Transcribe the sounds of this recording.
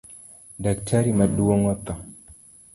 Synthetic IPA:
daktʰaɾimaduwɔŋɔt̪ːa

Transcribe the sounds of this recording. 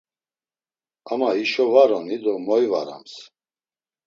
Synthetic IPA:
amaiʃɔvaɾɔnid̪ɔmɔiva̰ɾa̰ms

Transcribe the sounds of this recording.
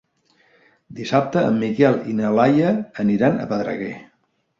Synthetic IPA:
d̪isap̚t̪əə̰mːikɛlˠḭnəlajəːniɾanə̰pəðɾə̰ɣe

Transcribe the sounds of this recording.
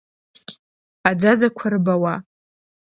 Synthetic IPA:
ad͡zad͡zakʷʰarɨbawa

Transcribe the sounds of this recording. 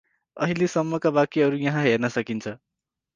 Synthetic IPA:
ʌɦilesʌmːʌkabakiʌɾujʌɦãɦernʌsʌkint͡sʰʌ

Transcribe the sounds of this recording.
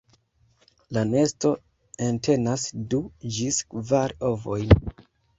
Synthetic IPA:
lane̞sto̞ | entʰe̞nasdud͡ʒiskvaɾovo̞jn

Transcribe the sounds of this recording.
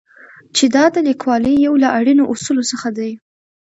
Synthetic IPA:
t͡ʃed̪ɑd̪əlikwɑləjjawlaʔaɽinoʔusulosəxad̪aj

